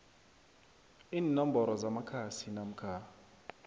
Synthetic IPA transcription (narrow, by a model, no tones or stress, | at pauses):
iːnːɔm̩bɔɾɔzamakʰasinam̩kʰa